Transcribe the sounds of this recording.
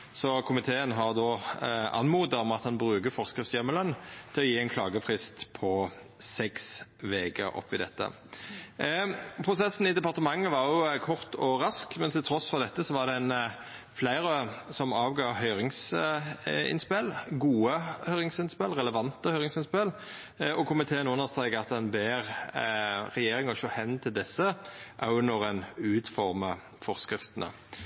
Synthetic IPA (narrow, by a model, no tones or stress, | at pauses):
sɔkʰʊmɪt̪ʰeːənɦɑʁd̪oːɑ̰nmuːd̪əʁmɑt̪hɑnbʁʉːkəfɔʁskʁɪftsjɛmːəlœnt̪ʰɪlɔjiːɛɪnkʰlɑːɡəfʁɪst̪pʰɔ | sɛksʋeːɡə̰ʔɔ̰pːɪd̪ɛ̰t̪ːə̰ | pʰʁʊsɛsːn̩ɪd̪ɛpɑʁt̪əmɑŋːəʋɑʁjʊkʰɔʁt̪ɔɾɑskmɛnt̪ʰɪlt̪ʰʁɔsfɔʁd̪ɛt̪ːəsɔʋɑʁd̪ɛn | flæɪʁəsɔmɑːʋɡɑːhœʏʁɪŋs | ɪ̰nspɛlɡuːəhœʏʁɪŋsɪnspɛlʁɛləʋɑnt̪əhœʏʁɪŋsɪnspɛl | ɔkʰʊmɪt̪ʰeːnʉnːəʁst̪ʁɛɪkəɑt̪d̪ɛnbeːʁ | ʁɛjeːɾɪŋɔʃoːhɛnːt̪ʰɪld̪ɛsːəʔɑ̰ʊnɔʁɛnʉːt̪fɔʁmə | fɔʁskɾɪft̪ənə̰